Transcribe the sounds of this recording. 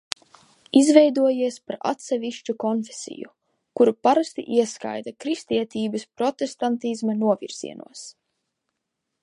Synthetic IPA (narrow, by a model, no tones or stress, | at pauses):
izvɛjd̪uɔjiɛspaɾa̰t̪sɛviʃt͡ʃukɔnfesḭjṵ | kuɾupaɾast̪ḭʔiɛska̰jd̪akɾist̪iɛt̪iːbɐspɾɔt̪est̪ant̪izmanuɔviɾz̥ḭɛnṵɔs